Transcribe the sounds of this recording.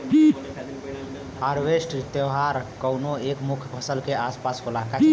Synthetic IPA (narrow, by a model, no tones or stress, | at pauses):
haɾbesʈt̪jewɦaɾkəwnoekmukʰpʰəsəlkeaspaskolaka